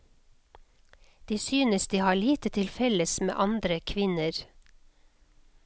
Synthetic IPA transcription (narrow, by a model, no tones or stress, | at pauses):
d̪̥iːsyːnəsd̪iːhɑːɭiːt̪ət̪ʰɪlfɛləsmḛːʔɑnd̪ɾəkʰʋɪnəɾ